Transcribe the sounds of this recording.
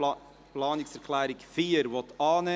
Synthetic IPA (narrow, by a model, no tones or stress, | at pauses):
plɑːnɪksɛɾkʰlɛːɾɪkfiːɾʋɔtʰɑːnɛ